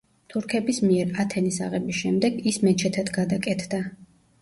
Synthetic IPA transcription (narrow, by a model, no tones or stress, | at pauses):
t̪ʰuɾkʰɛbismiɛɾat̪ʰɛnisa̰ʁɛbisʃɛmd̪ɛɡismɛt͡ʃʰɛt̪ʰad̪ɡad̪akʼɛt̪ʰd̪a